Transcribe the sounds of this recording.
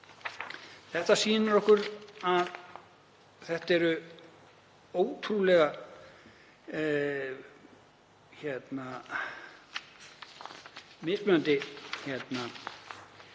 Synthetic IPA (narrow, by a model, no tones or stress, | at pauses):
θɛht̪asiːnaɾɔhkʏɾað | θɛht̪ɛɾʏ | oːwt̪ʰɾulɛɣa | çɛt̪na | mɪspmœant̪ɪçɛt̪na